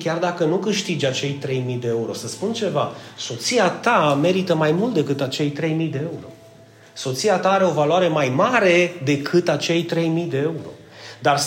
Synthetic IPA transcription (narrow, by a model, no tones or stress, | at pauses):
kʲard̪akənukɨʃt̪id͡ʒʲat͡ʃe̞jt̪ɾe̞jmid̪e̞euɾo̞səspunt͡ʃe̞vaso̞t̪siat̪ame̞ɾit̪əmajmult̪̚d̪e̞kɨt̪at͡ʃe̞jt̪ɾe̞jmijd̪e̞euɾo̞̰ | so̞t̪siat̪aaɾe̞o̞valwaɾe̞majmaɾe̞d̪e̞kʰɨt̪at͡ʃe̞jt̪ɾe̞jmijd̪e̞euɾo̞̰ | d̪ar